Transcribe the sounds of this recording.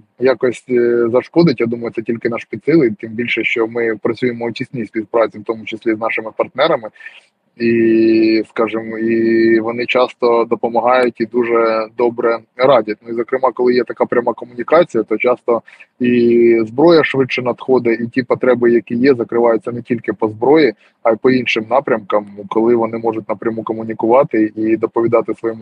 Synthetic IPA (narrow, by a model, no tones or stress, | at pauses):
jɑkɔsʲtʲzɐʃkɔd̪ɪtʲjad̪umɐjʊt̪sɛtʲilʲkɪnɑʃpʲid̪sɪlˠɪt̪ɪmbʲilʲʃɛʃt͡ʃɔmɪpɾɐt͡sʲujemɔʊt͡ʃʲisʲnʲisʲpʲizpɾɑt͡sʲiwt̪ɔmʊt͡ʃɪsʲlʲiznɑʃɪmɪpɐrt̪nɛɾɐmɪ | i | skɑʒɪmiʋɔnɪt͡ʃɑst̪ɔd̪ɔpɔmɐɦɑjʊtʲid̪uʒɛd̪ɔbɾɛɾɑdʲɐt̪̚ʲnʊizɔkɾɪmɑkɔlˠɪjɛt̪ɐkɑpɾʲɐmɑkɔmʊnʲikɑt͡sʲijɐt̪ɔt͡ʃɑst̪ɔizbɾɔjɐʃʋɪt͡ʃɛnɐd̪xɔd̪ɛitʲipɔt̪ɾɛbɪjɐkʲijɛzɐkɾɪʋɑjʊt͡sʲːɐnɛtʲilʲkɪpɔzbɾɔji | ɐjpɔinʃɪmnɑpɾʲɐmkɐmkɔlˠɪʋɔnɪmɔʐʊtʲnɐpɾʲɐmukɔmʊnʲikʊʋɑt̪ɪid̪ɔpɔʋʲid̪ɑt̪ɪsʋɔjɔmʊ